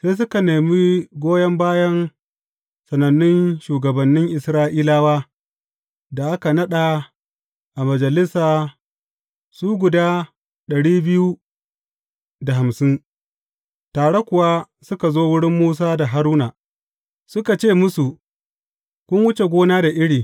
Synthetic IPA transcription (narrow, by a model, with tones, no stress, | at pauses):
seː˦s̬ʊ˦ka˨neː˨mi˦ɡʷoː˦jɐ˦mbaː˦jɐ˦n | sɐ˨nɐ˨nːɪ˦nʃuː˨ɡɐ˨bɐ˨nːɪ˦ŋʔɪ˨sɾaː˦ʔiː˦laː˦waː˦ | da˨ʔa˦ka˨nɐ˦ɗa˨ | ʔa˨mɐ˨d͡ʒɐ˨lɪ˦saː˨ | suː˦ɡʷʊ˨daː˦ | ɗɐ˨ɽiː˦bɪ˦ju˦ | da˨ɦa˨msɪ˦n | taː˨ɽe˦kʷʊ˨wa˦ | sʊ˦ka˨zoː˦wʊ˦ɽɪ˦mːuː˦s̬aː˦da˨ɦa˦ɾuː˦naː˨ | sʊ˦ka˨t͡ʃeː˦˨mʊ˦su˨ | kʷʊ˦nwʊ˦t͡ʃe˨ɡʷoː˦naː˦da˨ʔɪ˦ɽiː˨